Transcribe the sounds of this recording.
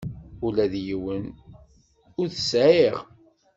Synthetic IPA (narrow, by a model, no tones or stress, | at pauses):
ʊlæðjiwən | ʊɾθəsʕeʁ